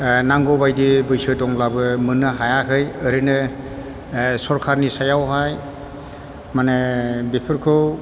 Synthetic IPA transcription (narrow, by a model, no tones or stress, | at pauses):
naŋɡɔbajdibɯjsɯdɔŋlabɯmɯnɯɦajakʰɯjɯɾɯnɯ | sɔɾkʰaɾnisajawɦaj | manɯbepʰɯɾkʰɯw